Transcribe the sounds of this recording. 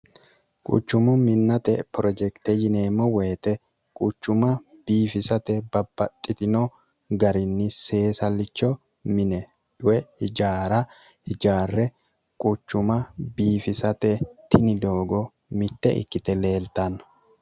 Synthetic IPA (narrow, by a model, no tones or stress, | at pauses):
kʼʊ̰t͡ʃːʊmʊmɪnːɐt̪ɛpɾɔd͡ʒɛkt̪ɛd͡ʒɪneːmːɔweːt̪ɛ | kʼʊt͡ʃːʊmɐb̥iːfɪsɐt̪ɛbɐbːɐt̪ʼːɪt̪ɪno | ɡɐɾɪnːɪse̞ːsɐlːɪt͡ʃːɔ | mɪnɛ | ᶑʊwɛhɪd͡ʒaːɾɐ | hɪd͡ʒaːrːɛ | kʼʊt͡ʃːʊmɐbiːfɪsɐt̪ɛt̪ʰɪnɪd̪o̞ːɡɔ | mɪt̪ːɛʔɪ̰kːɪt̪ɛle̞ːlt̪ɐnɐ̥